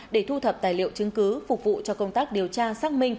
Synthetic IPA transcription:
ɗe˧˩t̪ʰu˧t̪ʰə˨˩p̚t̪aː˨˩jlḭ˧˨əwt͡ɕɨ˨˦ŋkɨ˨˦fʊ˨˩k͡p̚vṵ˧˨t͡ɕɔ˧kə˧wŋ͡mt̪aː˦˥k̚ɗi˨˩əwt͡ɕaː˧saː˦˥k̚mï˧ŋ̟

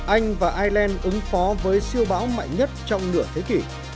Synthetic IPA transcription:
ʔa˧jŋ̟vaː˨˩ʔaː˧jlɛː˧nʔɨ˨˦ŋfɔ˨˦vəː˨˦jsi˧əwɓaː˨˦wma̰˧˨jɲə˦˥t̚t͡ɕɔ˧wŋ͡mnɨ̰˧˩ət̪ʰe˨˦ki˧˩

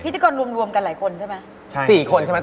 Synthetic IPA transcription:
i˦˥t̪aː˧kɔː˧nɾu˧əmɾu˧əmka˧nlaː˩˦jkʰo˧nt͡ɕʰa˥˩jma˦˥ | t͡ɕʰsiː˨˩kʰo˧nt͡ɕʰa˥˩ma˦˥

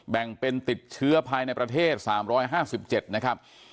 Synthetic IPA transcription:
bɛ˨˩ŋpe˧nt̪i˨˩t̪̚t͡ɕʰɯ˦˥ɐpʰaː˧jna˧jpɾa˧t̪ʰeː˥˩t̪̚saː˩˦mɾɔː˦˥jɦaː˥˩si˨˩p̚t͡ɕe˨˩t̪̚na˦˥kʰa˦˥p̚

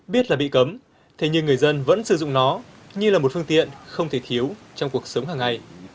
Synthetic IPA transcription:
ɓi˦˥ət̚laː˨˩ɓḭ˧˨kə˨˦m | t̪ʰe˨˦ɲɨ˧ŋɨ˨˩əjzə˧nvə̰˧˥nsɨ˧˩zʊ̰˧˨ŋ͡mnɔ˨˦ | ɲɨ˧laː˨˩mo˨˩t̚fɨ˧əŋt̪ḭ˧˨ənxə˧wŋ͡mt̪ʰe˧˩t̪ʰi˨˦əw | t͡ɕɔ˧wŋ͡mku˨˩ək̚sə˨˦wŋ͡mɦaː˨˩ŋːa˧˩j

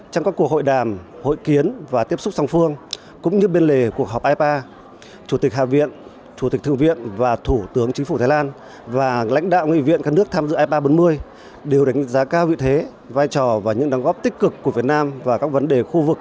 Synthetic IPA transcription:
t͡ɕɔ˧ŋ͡mkaː˦˥kːu˨˩ək̚ho̰˧˨jɗaː˨˩mho̰˧˨jki˨˦ənvaː˨˩t̪i˦˥əp̚sʊ˦˥k͡p̚sa˧wŋ͡mfɨ˧əŋ | kʊ̰˧˥ŋ͡mɲɨ˧ɓe˧nle˨˩ku˨˩ək̚ɦɔ˨˩wp̚ʔaː˧jpaː˧ | t͡ɕu˧˩t̪i˨˩k̟̚ha̰ː˧˨vḭ˧˨ən | t͡ɕu˧˩i˨˩k̚t̪ʰɨ˧˨ə˨ŋvḭ˧˨ənvaː˨˩t̪ʰu˧˩t̪ɨ˨˦əŋt͡ɕi̟˨˦fu˧˩aː˨˦laː˧n | vaː˨˩la̰˧˥ŋ̟ɗa̰ː˧˨wŋḭ˧˨vḭ˧˨ənkaː˦˥k̚nɨ˦˥ək̚t̪ʰaː˧mzɨ̰˧˨ʔaː˧jpaː˧ɓo˨˦nmɨ˧əj | ɗe˨˩wɗa˨˩˦ŋ˨˥zaː˨˦kaː˧wvḭ˧˨t̪ʰe˨˦ | vaː˧jt͡ɕɔ˨˩vaː˨˩ɲɨ̰˧˥ŋɗɔ˨˦ŋ͡mɣɔ˦˥p̚t̪ï˦˥k̟kɨ˨˩kːu˧˩əvi˨˩ət̚naː˧mvaː˨˩kaː˦˥k̚və˨˦nɗe˨˩xu˧vɨ˨˩k̚

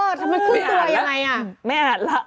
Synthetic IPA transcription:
t̪ʰa˧maː˧kʰu˧˥˩t̪u˧ɐja˧ŋːa˧jʔa˨˧˩mɛ˥˩˨aː˨˩t̪̚la˦˥

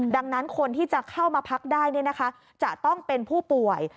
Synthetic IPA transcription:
da˧ŋna˦˥nkʰo˧nt̪ʰiː˥˩t͡ɕa˨˩kʰa˥˩wmaː˧pʰa˦˥k̚daː˥˩jni˥˩na˦˥kʰa˦˥ | t͡ɕa˨˩t̪ɔ˥˩ŋpe˧npʰuː˥˩pu˨˩əj

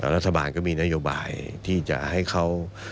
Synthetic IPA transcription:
ɾa˦˥˩t̪ʰːa˧baː˧nkɔː˥˩miː˧na˦˥joː˧ba̰ː˧jt̪ʰiː˥˩t͡ɕa̰˨˩ʔha˥˩jkʰa˦˥˩w

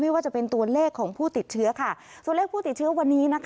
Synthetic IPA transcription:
ma˥˩jwaː˥˩t͡ɕa˨˩pe˧nt̪u˧ɐleː˥˩kʰːɔː˩˦ŋpʰuː˥˩t̪i˨˩t̪̚t͡ɕʰɯ˦˥ɐkʰa˥˩ | t̪u˨˩˨leː˥˩pʰuː˥˩t̪i˨˩t̪̚t͡ɕʰɯ˦˥ɐ˧wa˧nːiː˦˥na˦˥kʰ

